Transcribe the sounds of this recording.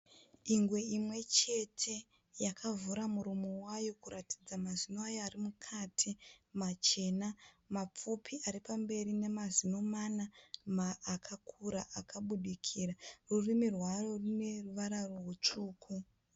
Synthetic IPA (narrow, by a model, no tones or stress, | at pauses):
iŋɡwe̞imwe̞t͡ʃe̞tʰe̞ | jakavuɾamuɾumowajo̞kuɾati̥d͡zamazinoajoarimukʰatʰimat͡ʃe̞na | map͡fupʰiʔaɾipambe̞ɾine̞mazino̞manamaːkʰakʰuɾaʔakaɓuɗikʰiːrarurimirwarorine̞ruʋaɾaroɦut͡ʂuːkʰu